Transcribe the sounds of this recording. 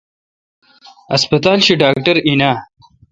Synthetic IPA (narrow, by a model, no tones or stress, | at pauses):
ɐspɐt̪aːlɕiɖaːk̚ʈɐɾinaː